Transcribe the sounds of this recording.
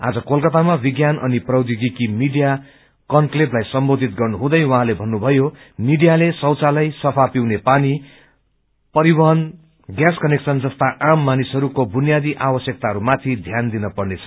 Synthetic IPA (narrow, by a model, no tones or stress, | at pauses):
a̰d͡zʌkolkʌt̪amabiɡjanʔʌniprʌwd̪iɡikimiɖija | kʌnkleplajsʌmbod̪ʱit̪ɡʌrnuɦũd̪ʌjwʌɦãlebʱʌnːubʱʌjo | miɖijalesʌwt͡salʌjsʌpʰapiwnepani | pʌɾibʌɦʌn | ɡjaskʌneksʌnd͡zʌst̪aʔamːanisɦʌɾukobʱunjad̪iʔabʌsjʌk̚t̪aɦʌɾumat̪ʰid̪ʱjand̪inʌpʌrnet͡sʰʌ̥